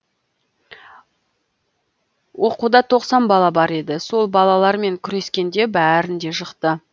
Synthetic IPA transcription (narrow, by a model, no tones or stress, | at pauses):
wʔo̞qud̪ɑt̪ʰo̞qsɑnbɑlˠɑbɑɾe̞d̪ɪso̞lˠbɑlˠɑlˠɑɾme̞ŋkʲʰʏɾe̞skʲe̞nd̪e̞bæɾɪnd̪e̞ʃəqt̪ə